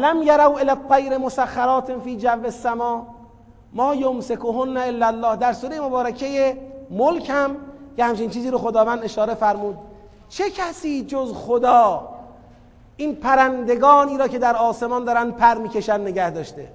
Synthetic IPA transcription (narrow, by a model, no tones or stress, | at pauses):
læmjæɾæwʔelæqæjɾemosæxːæɾɒːt̪ʰenfiːd͡ʒævːesːæmɒː | mɒːjomsekoɦonːæelːælːɒːhd̪æɾsuːɾejemobɒːɾækʰe̞jemolkʰhæmjehæmt͡ʃʰinnt͡ʃʰiːziːɾoxod̪ɒːvæːnd̪e̞ʃɒːɾe̞fæɾmuːd̪̚ | t͡ʃʰe̞cʰæsiːd͡ʒozxod̪ɒː | ʔiːnpʰæɾænd̪e̞ɡɒːniːɾɒːcʰe̞d̪æɾɒːsemɒnd̪ɒːɾænd̪̚pʰæɾmiːce̞ʃænne̞ɟæhd̪ɒːʃt̪e